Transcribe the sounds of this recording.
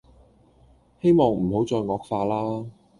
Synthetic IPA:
he˥jmɔː˨ŋm̩˨˩ho˨˥wt͡sɔː˧jŋɔː˧k̚faː˧laː˥

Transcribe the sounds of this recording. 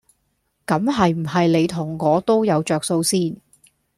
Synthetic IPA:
kɐ˨˥mɦɐ˨jm̩˨˩ɦɐ˨jle˨˧jt̪ʰʊ˨˩ŋːɔː˨˧t̪o˥wjɐ˨˧wt͡ʃœː˨k̚so˧wsiː˥n

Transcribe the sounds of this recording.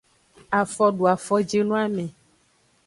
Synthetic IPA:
a˨fɔ˦ɖu˨a˨fɔ˦d͡ʒe˦nũ˦a˦mɛ̃˨

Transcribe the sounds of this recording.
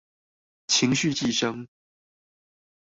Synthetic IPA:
t͡ɕʰi˧˥ŋɕy˥˧t͡ɕi˥˩ʂɤ˥ŋ

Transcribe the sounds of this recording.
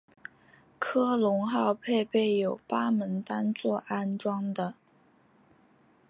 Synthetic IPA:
kʰɤ˥lʊ˧˥ŋxɑ˥˧ʊpʰe˥˧ɪpe˥˩ɪjo˨˩ʊpa˥mə˧˥nt̪a˥nt͡swɔ˥˩ʔa˥nʈ͡ʂwɑ˥ŋd̪ə˨

